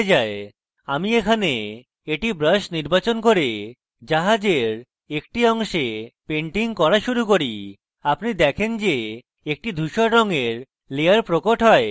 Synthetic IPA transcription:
d͡ʑae | a̰miekʰane | eʈibɾəʃniɾbat͡ɕonkoɾe | d͡ʑaɦad͡ʑeɾ | ek̚ʈiɔŋʃepeɳʈiŋkɔɾaʃuɾukoɾi | apnid̪ɛkʰend͡ʑe | ek̚ʈid̪ʱuʃoɾɔŋeɾ | leaɾpɾokoʈɦɔe

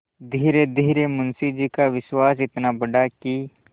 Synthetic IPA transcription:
d̪ʱiːɾed̪ʱiːɾemʊnsid͡ʒikaʋɪʃwaːs̬ɪt̪nabɐɖaki

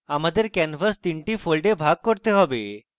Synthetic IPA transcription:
aməd̪ʱːjeɾkænfəst̪iɳʈiːfolɖebʱaɡ̚kəɾt̪eɦɔʋe

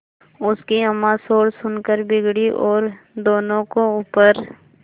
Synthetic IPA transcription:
ʊskiəmãsoːɽsʊnkəɾbɪɡɽiʔɔːɾ | d̪oːnõkouːpəɾ

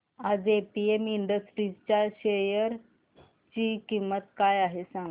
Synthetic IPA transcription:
ad͡zepiemiɳɖəsʈɾit͡ɕjaɕejəɾ | t͡ɕiːkimːət̪kajaɦesãŋ

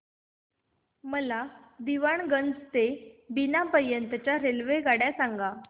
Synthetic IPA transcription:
məla | d̪iʋaɳɡənd͡zt̪ebinapəɾjənt̪ət͡ɕjaɾelʋeɡaɽjasaŋɡa

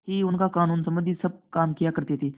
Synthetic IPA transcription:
hiːunkakaːnuːnsəməd̪ʱisəb̚kaːmkijakəɾt̪ejet̪eː

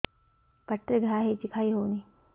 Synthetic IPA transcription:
pəʈːɾəɡʱɾaɦet͡ɕikʰaiːɦoːni

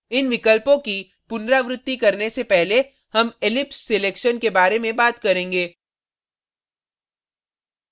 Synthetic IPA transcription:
ɪnʋɪkəlpõki | pʊnɾaʋɾɪt̪ːikɐɾnesepɛɦle | hɐmelɪpseleːkʃənkebaːɾemẽbaːt̪kɐɾẽːŋɡeː

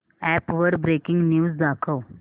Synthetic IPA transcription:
ɛpʋəɾbɾekɪŋɡnjuːzd̪akʰəw

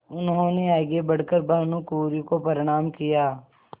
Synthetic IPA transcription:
ʊnɦõːneaːɪɡebəɽkəɾbɐɦnũkuːɾĩkopəɾɪɽ̃aːmkɪjaː

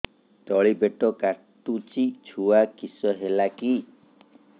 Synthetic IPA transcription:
t̪ɔɭibeʈɔkaɾʈut͡ʃit͡ʃʰuakisɔɦelaki

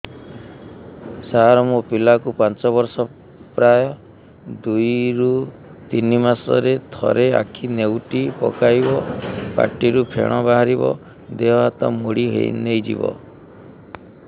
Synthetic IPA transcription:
saɦaɾɔmupilakupant͡ʃɔbɔɾsɔ | pɾajɔ | d̪ujɾu | t̪inimasɔ̰ɾet̪ʰɔ̰ɾea̰kʰinewʈipɔ̰kajbɔpa̰ʈːiɾupʰḛɽ̃ɔbaɦaɾibɔ̰ | d̪eɦɔɦat̪ɔmoɽiɦḛjnejd͡ʒḭbɔ̰

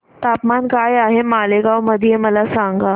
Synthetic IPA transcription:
t̪apmankajaɦemaleɡawməd̪ʱijeməlasaŋɡa

